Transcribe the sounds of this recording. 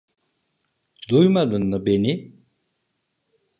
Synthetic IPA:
d̪ujmad̪ɯnːɯbeni

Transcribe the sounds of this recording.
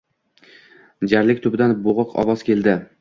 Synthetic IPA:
d͡ʒaɾlɪk̚ʲt̪ʰʊbɪd̪anboʁʊqʰɒ̰wɒz̥kʲe̞ld̪ɪ

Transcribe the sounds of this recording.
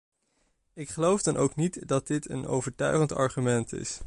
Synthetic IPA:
ɪkχəlowvdɑnʔowknitdɑt̚dɪtə̰no̰wvəɹtœ̰ɥχəntɑ̰ɹχymɛntɪ̰s

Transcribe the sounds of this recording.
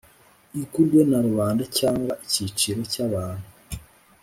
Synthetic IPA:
ikuɾɡwenaɾuβaːndacaːŋɡwaʔicit͡ʃiɾo̞caβaːn̥hu

